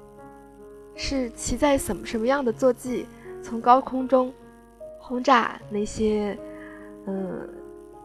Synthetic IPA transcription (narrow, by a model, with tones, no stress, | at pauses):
ʂɻ̩˥˩t͡ɕʰi˧˥t͡sa˥˩ɪʂə˨˩nmə˧˦ʂə˧˥mə˧jɑ˥˩ŋd̪ə˩t͡swɔ˥˧t͡ɕi˥˩ | t͡sʰʊ˧˥ŋkɑ˥ʊkʰʊ˥ŋʈ͡ʂʊ˥ŋ | xʊ˥ŋʈ͡ʂa̰˥˧na˥˩ɪɕjɛ˥ | ə˥˧˩